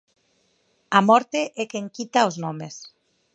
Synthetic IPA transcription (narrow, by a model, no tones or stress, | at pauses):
amɔɾt̪eʔɛkeŋkit̪aoznomes